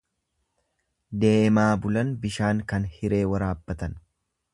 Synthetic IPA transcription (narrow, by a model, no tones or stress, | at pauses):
d̪e̞ːmaːbʊlɐnbɪʃaːŋkɐnhɪɾe̞ːwɐɾaːbːɐt̪ɐn